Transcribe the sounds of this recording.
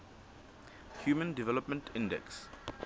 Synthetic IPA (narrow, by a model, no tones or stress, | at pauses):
hjuːmə̃ndivɛləpmə̃ntʰɪ̃ndɛ̰ks